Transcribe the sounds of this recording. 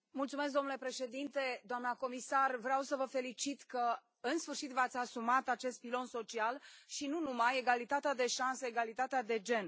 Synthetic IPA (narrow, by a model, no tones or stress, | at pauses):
mult̪sumes̬k̚d̪o̞mnule̞pɾe̞ʃe̞d̪int̪e̞d̪oamnəko̞misarvɾeawsəvəfe̞lit͡ʃit̪kə | ɨnsfɨrʃit̪vat̪sʲasumat̪at͡ʃe̞st̪̚pilo̞nso̞t͡ʃialʃinunumaje̞ɡalit̪at̪ead̪e̞ʃanseeɡalit̪at̪ead̪e̞d͡ʒe̞n